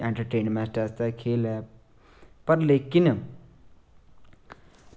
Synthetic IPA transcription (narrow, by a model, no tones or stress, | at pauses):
eɳʈɐɾʈeːɳɖmaːsʈast̪akʰeːlɛ | pɐɾleːkin